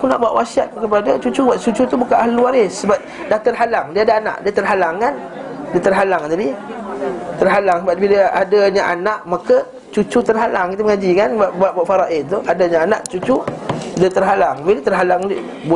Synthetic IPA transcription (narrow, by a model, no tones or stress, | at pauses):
akuna̰ʔbuaʔwasiat̪̚kəpadat͡ʃut͡ʃubwaʔ̪̚t͡ʃut͡ʃut̪ubukanaɦluwaɾɪsːəbap̚ | daht̪ərɦalaŋdiadaana̰ʔdiət̪ərɦalaŋkan | diət̪ərɦalaŋnadi | t̪ərɦalaŋsəbap̚biləʔadaɲaʔanaʔmakə | t͡ʃut͡ʃut̪ərɦalaŋkit̪̬uməŋad͡ʒikanbaʔbaʔbwaʔfaɾaʔɪnt̪uʔadaɲaana̰ʔt͡ʃut͡ʃudiət̪ərɦalaŋbilət̪ərɦalaŋ | bu